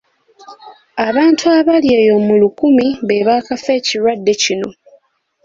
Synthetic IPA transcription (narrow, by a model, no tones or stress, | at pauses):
aβaːntʰuaβaljeːjo̞ːmulukumiβe̞βaːkafe̞ːciɾwadːe̞cino̞̰